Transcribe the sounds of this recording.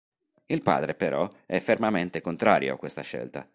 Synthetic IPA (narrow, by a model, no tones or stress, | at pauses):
ilpa̰ːd̪ɾepeɾʔɔɛfːermament̪ekont̪ɾaːɾjo̰akːwest̪aʃɛ̰lt̪a̰